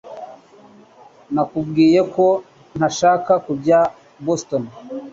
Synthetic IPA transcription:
nakubɡiːje̞ko̞ | n̥haʃaːkakubɟa | boston

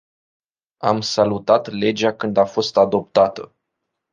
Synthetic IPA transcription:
amsalut̪at̪le̞d͡ʒakɨnd̪afo̞st̪ad̪o̞p̚t̪at̪ə

